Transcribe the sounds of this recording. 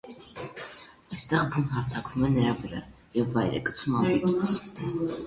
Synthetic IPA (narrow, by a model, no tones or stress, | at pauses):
ɑjst̪ɛʁbunɦɑɾt͡sʰɑkvumɛnəɾɑvəɾɑ | jɛvːɑjɾɛ̰kət͡sʰumɑmii